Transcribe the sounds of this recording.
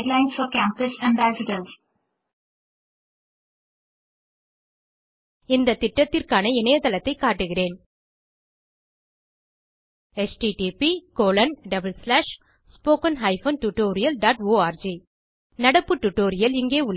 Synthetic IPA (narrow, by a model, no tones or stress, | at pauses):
ɖlãɪnsɔːkæ̃ːmpɐsɛ̃ɳbaːsɪʈɐls | ɪnd̪ɐt̪ːɪʈːɐt̪ːɪrkaːnɐɪnɐjɐt̪ɐlɐt̪ːɐɪkːaːʈːɯɣɪreːn | ɛsʈiʈipikoːlɐnɖɐbɐlslaːʂ | spoːkɐnɦɐɪfoːnʈuʈːoːɾɪjɐlɖaːʈoːaːɾd͡ʒi | nɐɽɐpːɯʈːʊʈːoːɾɪjɐlɪŋɡeːʊɭ